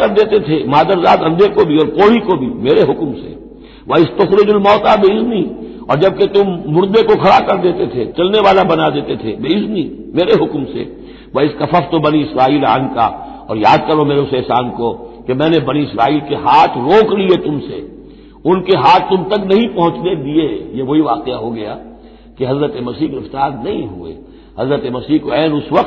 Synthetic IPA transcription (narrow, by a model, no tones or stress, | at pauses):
kɐɾd̪eːt̪et̪ʰemaːd̪əɾzaːd̪ɐ̃nd̪ekobʱiɔːɾkoːɽikobʱimeːɾeɦʊkmsḛ | ʋaːɪst̪ʊxɾɪd͡ʒʊlmɔːt̪abeɪzni | ɔ̰ːɾd͡ʒɐb̚ket̪ʊmːʊɾd̪ekokʰɐɽakɐɾd̪eːt̪et̪ʰet͡ʃɐlneʋaːlabɐnad̪eːt̪et̪ʰḛbeːɪznimeːɾeɦʊkmsḛ | ʋaːɪskɐfəft̪obɐniɪsɾaːiːla̰ːnka̰ | ɔ̰ːɾjaːd̪̚kɐɾomeːɾeʊsɛːsaːnkokemɛ̃ːnebɐniɪsɾaːiːlkeɦaːt̪ʰɾoːkliet̪ʊmsḛ | ʊnkeɦaːt̪ːʊmt̪ɐknɐɦĩpɐ̃ɦʊ̃t͡ʃned̪iejeʋɐɦiʋaːqeaɦoɡɐja̰ː | keɦɐzɾət̪emɐsiːɦɡɾɪft̪aːɾnɐɦĩɦuḛ | hɐzɾət̪emɐsiːkoɛːnʊsʋɐqt̪